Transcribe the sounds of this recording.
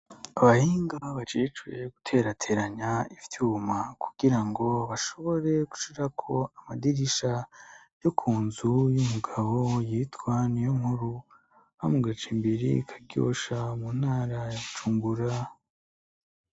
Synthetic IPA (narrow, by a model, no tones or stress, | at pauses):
aβahiːŋɡaβat͡ʃit͡ʃwe̞ɡutʰe̞ɾatʰe̞ɾaɲaivjuːmaku̥ɡ̥iɾaŋɡo̞βaʃo̞βo̞ɾe̞ɡ̥u̥ʃiɾakʰo̞amadiɾiʃa | jokʰuːnzujumuɡaβo̞jiːtwanijoŋhuɾu | hamuɡat͡ʃimbiɾḭkʰḁɡɡjo̞̰ʃamun̥haːɾat͡ʃuːmbuɾa